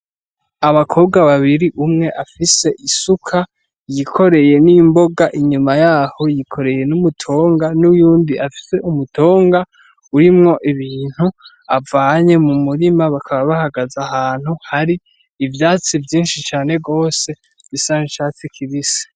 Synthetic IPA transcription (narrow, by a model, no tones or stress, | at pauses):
aβakʰo̞ːbɡaβaβiɾiʔumŋe̞ʔafise̞ʔisukʰa | jikʰo̞ɾe̞je̞nimbo̞ɡaʔiɲumajaːho̞jikʰo̞ɾe̞je̞numutʰo̞ːŋɡanujuːndiʔafi̥se̞ʔumuto̞ːŋɡa | uɾimŋo̞ʔiβiːn̥hu | avaːɲe̞mumuɾimaβakʰaβaβahaɡazahaːn̥uhaɾiː | vjaːt͡sivjiːnʃit͡ʃaːne̞ɡo̞ːse̞ | visaŋiʃat͡sikʰiβise̥